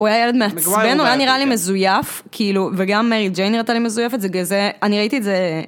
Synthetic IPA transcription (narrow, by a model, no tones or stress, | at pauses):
ujajeled̪measbenujaniʁalimezujaf | kʰiiluveɡamːeʁid͡ʒejnʁat͡salimezujefetzeɡezeaniʁaitietze